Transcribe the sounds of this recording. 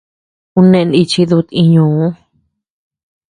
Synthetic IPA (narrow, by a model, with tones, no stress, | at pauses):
u˧nẽ˧ni˧t͡ʃi˧ðu˧t̪ĩ˧ɲũː˧˨ũ˦